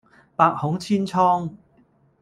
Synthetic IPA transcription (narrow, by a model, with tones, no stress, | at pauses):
paː˧k̚hʊ˨˥ŋt͡sʰiː˥nt͡sʰɔː˥ŋ